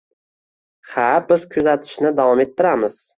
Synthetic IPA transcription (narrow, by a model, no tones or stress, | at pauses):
habɪz̥kʲʰʊzat̪ʰɪ̥ʃnɪd̪avɒme̞t̪ːɪɾamɪz̥